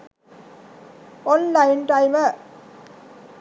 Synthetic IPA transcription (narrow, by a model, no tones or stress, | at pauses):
ɔnlaɪnʈaɪmə